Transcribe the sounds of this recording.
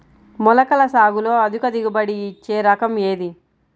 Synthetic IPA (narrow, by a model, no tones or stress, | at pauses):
mɔlɐkɐlɐsaːɡulo̞ːɐd̪ukɐd̪iɡubɐɽiːt͡ʃːe̞ːɾɐkɐmeːd̪i